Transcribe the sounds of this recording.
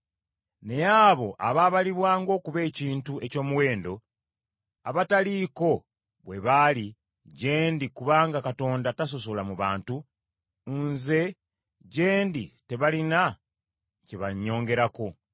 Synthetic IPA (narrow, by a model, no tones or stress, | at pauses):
ne̞jaːβo̞ʔaβaːβaliβwaːŋɡo̞ːkuβe̞ːciːntue̞co̞ːmuwe̞ːndo̞ | a̰βataliːko̞ | βwe̞βali | ɟe̞ːndikuβaːŋɡakato̞ːndatas̬o̞so̞lamuβaːntu | nze̞ | ɟe̞ːndite̞βalina | ceβaɲːo̞ːŋɡe̞ɾako̞